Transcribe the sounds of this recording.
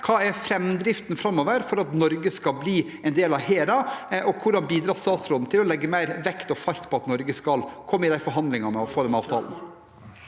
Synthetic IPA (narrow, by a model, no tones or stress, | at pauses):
kʰɑːɛɾfɾɛmːd̪ɾɪft̪n̩fɾɑmːoːʋəɾfɔɾɑt̪nɔɾɡəskɑlbliː | ɛɪnd̪eːlɑʋheːɾɑʔɔkʰʊɖɑnbiːd̪ɾɑːst̪ɑːt̪sɾɔd̪n̩t̪ʰɪlɔlɛɡːəmæɪɾʋɛkt̪ɔfɑɾt̪pʰɔɑt̪nɔɾɡəskɑlkʰɔmːəɪd̪æɪfɔɾɦɑnd̪lɪŋɑmɛɔfoːd̪ɛmɑːʋt̪ʰɑ̰ːln̩